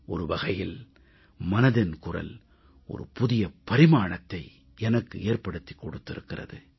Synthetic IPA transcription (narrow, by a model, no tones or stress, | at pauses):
ʔɔɾɯʋɐɣɐjɪl | mɐnɐðɪnkʊrɐ̰l | ʔɔ̰ɾɯ̰pʊðɪjɐpɐɾɪmaːɳɐt̪ːɐɪ | ɛnɐkːɯʔeːrpɐɽɯt̪ːi̥kːɔɽɯt̪ːɪɾɯkːɪrɐ̰ðɯ